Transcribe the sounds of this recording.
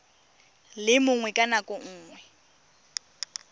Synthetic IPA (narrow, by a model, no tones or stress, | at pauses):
lɪmʊŋwɛkʼanakʼʊŋ̩ːŋwɛ